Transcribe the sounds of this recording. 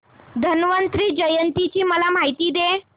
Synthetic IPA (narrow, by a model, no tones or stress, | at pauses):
d̪ʱənʋənt̪ɾiːd͡ʑəjənt̪it͡ɕiːməlam̤aɦit̪iːd̪e